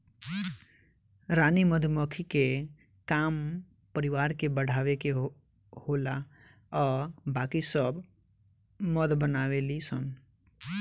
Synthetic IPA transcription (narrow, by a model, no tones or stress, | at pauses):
ɾaːniməd̪ʱmɔkʰike | kaːm | pəɾɪʋaːɾkebəɽ̤aːʋeke | hoːla | ɔːɾbaːkisəb | məd̪bənaːʋelisən